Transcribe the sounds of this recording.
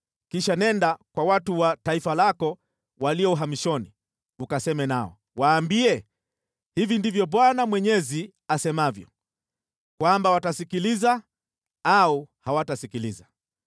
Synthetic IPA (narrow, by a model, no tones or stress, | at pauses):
kiʃanɛndakwawatuwataifalakɔ | waliɔuɦamiʃɔni | ukasɛmɛnaɔ̰ | waːmbiɛ | hivindivjɔɓwanamwɛɲɛzi | asɛmavjɔ̰ | kwambawatasikiliza | auhawatasikiliza